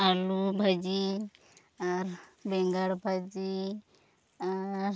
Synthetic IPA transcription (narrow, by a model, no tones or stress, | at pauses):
alubʱad͡ʒi | aɾbɛ̃ŋɡaɽbʱad͡ʒi | aɾ